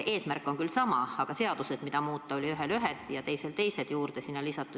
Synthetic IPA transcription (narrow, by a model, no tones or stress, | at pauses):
ʔe̞ːsmærkːˑo̞ŋkylsɑmɑɑɡ̥ɑse̞ɑd̪̥use̞d̪̥mid̪̥ɑmuːt̪ˑːɑo̞lʲiyɦelyɦed̪̥jɑt̪e̞jse̞lt̪e̞jse̞d̪̥juːrd̪̥e̞sinːɑlisɑt̪ːˑud̪̥